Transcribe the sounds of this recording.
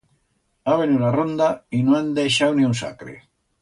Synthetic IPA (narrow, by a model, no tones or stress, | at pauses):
aβeniunarond̪ainoand̪ejʃawnĩunsa̰kɾḛ